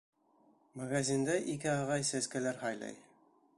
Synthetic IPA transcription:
maɡazʲind̪æʔikɘɑʁɑjsæskælæɾhɑjlˠɑ̰j

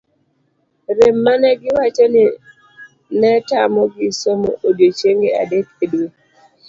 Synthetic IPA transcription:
ɾemːanɛɡɪwat͡ʃeni | nɛtamɔɡisomo̰ʔodjot͡ʃeŋɡea̰dekedwe

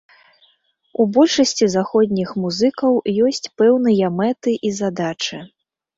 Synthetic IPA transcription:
ubɔlʲʂɐsʲt͡sʲizaxɔd̪ʲnʲixmuzɨkɐwjɔsʲt͡sʲpɛwnɨjɐmɛt̪ɨʔizad̪at͡ʂɨ

